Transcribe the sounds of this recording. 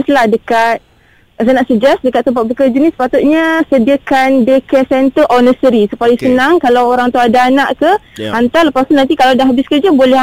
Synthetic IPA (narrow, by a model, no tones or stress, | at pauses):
slahdəkat̪̚ | zanɔʔsəd͡ʒɛs̚dəkat̪ːəmpaʔ̪̚bəkəd͡ʒunisə̥pat̪ut̪̚ɲasədiakandəkəsɛnt̪əʔɔnəsəɾisupajisənaŋkalawoɾaŋt̪uadaːnaʔkəhant̪aləpast̪unant̪ikalawdahɦabɪskəd͡ʒabolɛ